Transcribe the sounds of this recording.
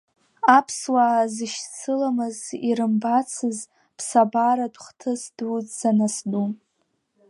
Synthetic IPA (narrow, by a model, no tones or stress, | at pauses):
apʰswazɨʃt͡sʰɨlamɨziɾɨmbat͡sʰɨz | pʰsabaɾadχtʰɨsduzzanasdu